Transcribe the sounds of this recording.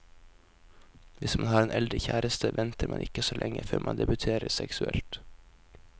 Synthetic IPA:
ʋɪsmɑnhɑːɾeːnʔɛld̪ɾəçæːɾəst̪ʰəʋʔɛnt̪ʰəɾmɑnʔɪkəsoːlʔɛŋəføːɾmʔɑnd̪ɛbʉt̪ʰeːɾəsɛksʉɛlt̪

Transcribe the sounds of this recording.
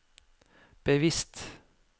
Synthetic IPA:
b̥əʋɪst̪

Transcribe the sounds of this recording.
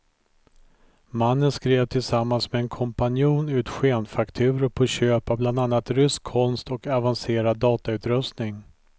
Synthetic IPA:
manːənskɾeːvt̪ʰɪlsamːansmɛɛnkʰɔmpanjuːnʉ̟ːt̪ɧeːnfakt̪ʰʉ̟ːɾəɾpʰɔɕøːpavbland̪anːat̪ɾʏskʰːɔnst̪ɔkavanseːɾad̪ːɑːt̪aʉ̟ːt̪ɾɵst̪nɪŋ

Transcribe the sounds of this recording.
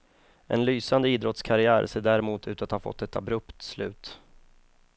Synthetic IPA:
ʔɛ̰nlyːsand̪əiːd̪ɾɔt̪skʰaɾɪæːɾseːɖæɾɛmuːt̪ʰʉ̟ːt̪at̪hɑːɾfɔ̰t̪ːɛt̪a̰bɾɵpt̪slʉ̟ːt̪

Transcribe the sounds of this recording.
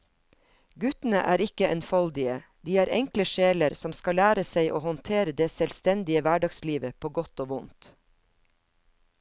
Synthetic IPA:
ɡʉt̪n̩ə̰ʔæːɾɪkəʔɛnfɑld̪ɪəd̪iːæːɾɛŋkləʃeːləɾsɔmskɑlæːɾəseɪʔoːhɔnt̪ʰeːɾəd̪eːsɛlst̪ɛnd̪ɪəʋæɖɑɡsliːʋəpʰoːɡɔt̪oːʋʊnt̪

